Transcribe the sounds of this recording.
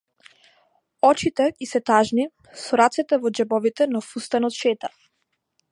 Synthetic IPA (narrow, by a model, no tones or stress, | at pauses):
ɔt͡ʃit̪ɛisɛt̪aʒni | sɔɾat̪sɛt̪ɛvɔd͡ʒɛbɔvit̪ɛnafust̪ɛnɔt̪ʃɛt̪a